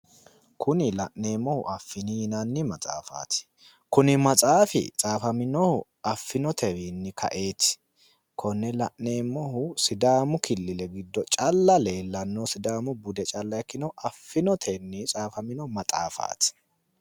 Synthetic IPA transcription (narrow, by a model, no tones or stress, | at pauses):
kʰʊnɪlɐʔne̞ːmːɔhʊ̰ʔɐfːɪniːnɐnːɪmɐt͡sʼa̰ːfa̰ːt̪ɪ̥ | kʊnɪmɐt͡sʼaːfɪ̰t͡sʼaːfɐmɪnɔhʊ | ɐfːɪnɔt̪ʰɛwinːɪkʰɐ̰ʔe̞ːt̪ɪ̥ | kʰɔnːɛlɐʔne̞ːmːɔɦʊsɪd̪aːmʊkɪlːɪlɛɡɪd̪ːɔt͡ʃʼɐlːɐle̞ːlːɐnːɔsɪd̪aːmʊbʊd̪ɛt͡ʃʼɐlːɐjkːɪnɔʔɐfːɪnɔt̪ʰɛnːɪt͡sʼaːfɐmɪnɔmɐt͡sʼa̰ːfa̰ːt̪ɪ̥